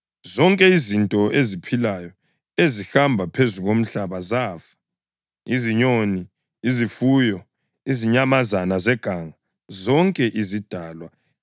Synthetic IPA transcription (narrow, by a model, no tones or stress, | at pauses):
zɔŋkʼɛizintʼɔʔezipʰilajɔ | ezixambʱapʰezuɣom̩ɬaβazaːfḁ | iziɲoni | izifuːjɔ | iziɲamazanazɛɡ̥ʱaŋa | zɔŋkʼɛʔizid̥ʱaːlwa